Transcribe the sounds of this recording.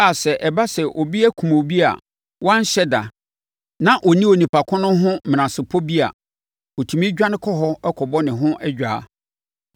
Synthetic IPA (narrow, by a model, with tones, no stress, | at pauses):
a˨sɛ˨ʔɛ˨ba˦sɛ˨ʔɔ˨bi˦ɛ˦kʰũ˨m˨o˨bi˦a̰˨ | wɔ˦ã˦n˦ɕɛ˦da̰˨ | nã˨ʔɔ˨nĩ˦o˨nĩ˨pʰa˨kʰʊ̃˦nʊ̃˦ɦʊ̃˦mm̃˨ã˨sɪ˨pʰɔ˦bi˦a̰˨ | ɔ˨tʰũ˨mĩ˦d͡ʑᶣa˦nɪ̃˦kʰɔ˦ɦɔ˦ɛ˦kʰɔ˨bɔ˦nɪ̃˨ɦʊ̃˦ʔɛ˦d͡ʑᶣaː˨˦